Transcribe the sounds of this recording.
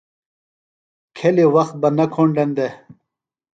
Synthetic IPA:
kʰeliwɐxt̪̚bɐnɐkʰoɳɖend̪e

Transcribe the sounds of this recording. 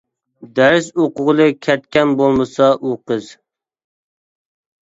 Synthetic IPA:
d̪æɾɪsoqʊʁəlˠɨkʲʰɛt̪̚kʲɛnbolˠmɨsɑʔuqɨz

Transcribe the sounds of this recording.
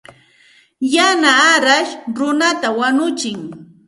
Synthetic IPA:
janaːɾaʃɾʊnat̪awanʊt͡ʃɪŋ

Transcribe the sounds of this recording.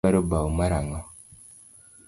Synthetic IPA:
aɾobawumaɾaŋɔ

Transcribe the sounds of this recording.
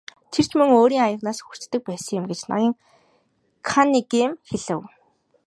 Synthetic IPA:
t̪ʰer̥t͡ɕmɵŋoːɾiːŋajə̆ʁnaːsxu̥t͡ɕt̪ːɘ̆k̚pæːsə̆ŋjʊ̆mɡet͡ɕna̰ɣĭːŋ | kʰaniɡemxeɮɘ̆w

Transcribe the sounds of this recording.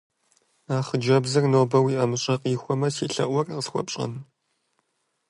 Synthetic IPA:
aːχəd͡ʒɐbzɐrnoːbɐwiːʔɐmɨɕʼɐqʼiːxʷɔmɐsiːɬɐ̰ʔʷɔrqəsxʷɔ̰pɕʼɐ̰n

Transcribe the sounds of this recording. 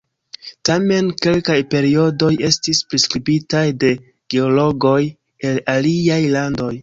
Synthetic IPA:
tame̞nke̞lkajpe̞ɾio̞do̞je̞stispɾiskɾibitajde̞ | ɡ̥e̞o̞lo̞ɡo̞j | e̞laliajlando̞j

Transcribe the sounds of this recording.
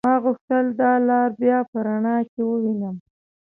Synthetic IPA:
mɑɣuxt̪əld̪ɑlɑɾbjɑpəɾaɳɑkewəwinəm

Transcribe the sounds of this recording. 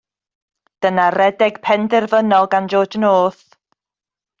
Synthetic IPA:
d̥ənarɛdɛɡ̥pʰɛndɛrvənɔlˠɡand͡ʒoːd͡ʒənoːθ

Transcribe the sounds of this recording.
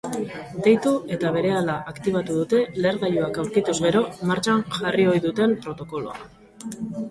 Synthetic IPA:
d̪e̞jt̪ue̞t̪aβ̞e̞ɾe̞alaʔakt̪iβ̞at̪uðut̪e̞le̞ːɾðajuakawɾkit̪uzɣe̞ɾo̞maɾt͡ʃanʝario̞jðut̪e̞mpɾo̞t̪o̞ko̞lo̞̰a̰

